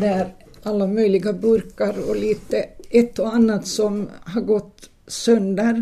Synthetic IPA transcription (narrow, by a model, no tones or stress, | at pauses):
d̪ɛæɾ | alːamœʏlɪɡabɵɾkaɾɔliːt̪əʔɛt̪ːɔanːat̪sɔmhɑɾɡɔt̪ː | sœnd̪əɾ